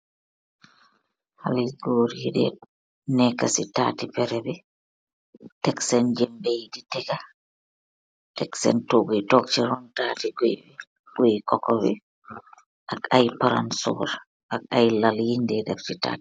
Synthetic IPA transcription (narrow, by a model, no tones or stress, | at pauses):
haliɡoːɾiidɛ̰ | nɛkasitatipɛɾɛbɛ | tɛksɛnd͡ʒɛmbejditɛɡa | tɛksɛ̰ntoɡojtɔk̚t͡ʃiɾɔntaːtiɡojbɛ | ɡojkɔkɔbɛ̰ | ʔakajpaɾa̰nsɔ̰ɾ | ʔakajlaljindɛdaft͡ʃita̰ːti̥